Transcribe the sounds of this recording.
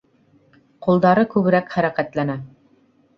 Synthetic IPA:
qulˠd̪ɑɾɤkʉβɘ̆ɾækχæɾækæt̪lænæ

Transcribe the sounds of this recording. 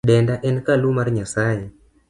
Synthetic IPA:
ɗɛndaʔɛnkalumarɲasajɛ

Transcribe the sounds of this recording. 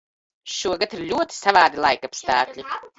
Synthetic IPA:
ʃuɔɡat̪iɾlʲuɔt̪i̥savaːd̪ilˠajkapst̪aːklʲi

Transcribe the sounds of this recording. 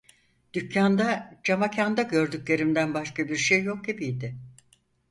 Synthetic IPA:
d̪̥ycʰːand̪ad͡ʒamacʰand̪aɟø̞ɾd̪ycʲlʲe̞ɾimd̪ænbaʃkabiɾʃejːo̞k̚ebijd̪ɪ

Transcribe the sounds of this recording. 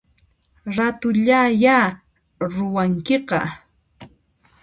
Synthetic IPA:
ɾat̪ʊʎaja | ɾʊwaŋkɪqɑ̰

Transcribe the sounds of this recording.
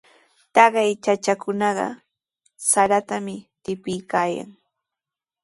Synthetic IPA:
t̪ɑɢɑjt͡ʃat͡ʃakʊnɑɢɑ̰ | saɾat̪amɪt̪ɪpɪjkaːja̰ŋ

